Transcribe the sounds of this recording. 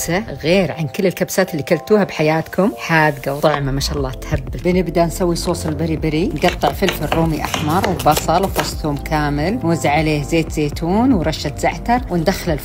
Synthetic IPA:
saɣeːɾʕankɪlːɪlkabsaːt̪ɪlːikalt̪uːhabħajaːt̪kʰʊmħaːd̪ɡawt̪ˤʊʕmamaʃaːʔlːɑːt̪habːɪbɪnɪbd̪ansawːisˤoːsˤɪlbɪɾibɪɾinɡɑt̪ˤːɨʕfɪlħmɪrːuːmiʔa̰ħmɑɾˤwɪbɑsˤɑlwfʊsˤt̪umkʰaːmɪlnwazɪʕaleːhzeːt̪z̥eːt̪ʰuːnwɾˤɑʃːat̪z̥aʕt̪ɑɾˤwɪnd̪axlɪl

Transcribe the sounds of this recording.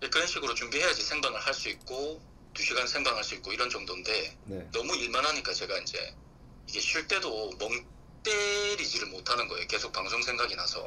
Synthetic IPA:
jekɯɾʌnɕʰiɡɯɾot͡ɕuŋbiɦe̞jad͡ʑisʰe̞ŋbaŋɯɭhaɭs͈uik̚k͈o | tuɕʰiɡansʰe̞ŋbaŋɦaɭs͈uik̚k͈oiɾʌnd͡ʑʌŋdonde̞nnʌmuiɭmanɦaɲik͈at͡ɕe̞ɡaind͡ʑḛ | iɡe̞ɕʰiɭt͈e̞domʌŋ | t͈eɾid͡ʑiɾɯɭmotʰanɯnɡʌejoke̞sʰok̚paŋsʰoŋsʰe̞ŋɡaɡinasʰʌ̰

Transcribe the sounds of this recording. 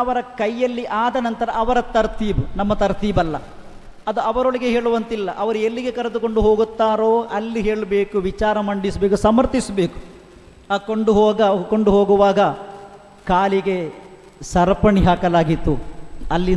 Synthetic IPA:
ɐʋɐɾɐkɐjːɐlːiʔaːd̪ɐnɐnt̪ɐɾɐʔɐʋɐɾɐt̪ɐɾt̪ʰiːbunɐmːɐt̪ɐɾt̪ʰiːbɐlːɐ | ɐd̪uɐʋɐɾoɭiɡe̞ɦeːɭuʋɐnt̪ilːɐʔɐʋɐɾuelːiɡe̞kɐɾɐd̪ukoɳɖuɦoːɡut̪ːaːɾo̞ːʔɐlːiɦe̞ːɭbe̞ːkuʋit͡ʃaːɾɐmɐɳɖisɐbe̞ːkusɐmɐɾt̪isɐbe̞ːku̥ | koɳɖuɦoːɡɐkoɳɖuɦoːɡuʋaːɡɐ | kaːliɡe̞ | sɐɾpɐɳiɦaːkɐlaːɡit̪ːuɐlːi

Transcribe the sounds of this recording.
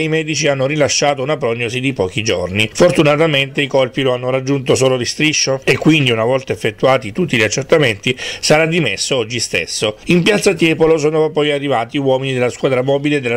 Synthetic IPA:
imɛːd̪it͡ʃianːoɾilaʃːaːt̪ounap̬ɾɔɲːosid̪ipɔːk̟id͡ʒo̰rnifort̪unat̪ament̪eikolpiloanːoɾad͡ʒːunt̪osoːlod̪ist̪ɾiʃːoekːwind̪iunavɔlt̪aefːet̪ːuaːt̪it̪ut̪ːiʎiat͡ʃːert̪ament̪isaɾad̪imesːoɔd͡ʒːist̪ḛsːoimpjat̪sːat̪̬jɛːpolos̬oːnopɔjarːivaːt̪iwɔːminid̪elaskwaːd̪ɾamɔːbiled̪ːelːa

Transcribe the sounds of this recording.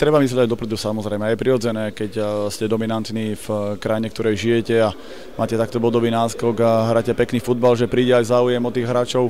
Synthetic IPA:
t̪ɾɛbamizlɛɟaɟd̪ɔpɾɛd̪usamɔzɾɛjmɛajɛpɾiɾɔd͡zɛnɛːkɛcscɛd̪ɔminant̪niːfkɾajiɲɛkt̪ɔɾɛjʒijɛcɛa | mʔaːcɛt̪ak̚ːt̪ɔbʋɔd̪ɔbiːnaːskɔɡaɦɾaːcɛpɛkniːfud̪balʒɛpɾiːɟɛajzaːujɛmɔt̪iːɣɦɾaːt͡ʃɔʊ

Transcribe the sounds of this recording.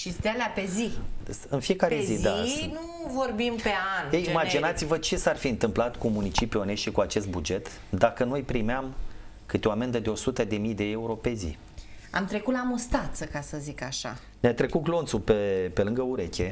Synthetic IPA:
ʃist̪ealeape̞ziɨnfije̞kaɾezizd̪anu | vo̞rbimpe̞anejimad͡ʒinat̪sivət͡ʃe̞sarfiɨnt̪ɨmplat̪kumunit͡ʃipione̞ʃikuat͡ʃe̞st̪̚bud͡ʒe̞t̪ | d̪akənojpɾimeam | kɨt̪eo̞ame̞nd̪əd̪eo̞sut̪əd̪e̞mijd̪e̞e̞uɾo̞pe̞zḭ | a̰mt̪ɾe̞kut̪lamost̪at̪səkasəzikaʃa̰ | neat̪ɾe̞kut̪̚ɡlo̞nt̪supepelɨŋɡəuɾekʲe̞

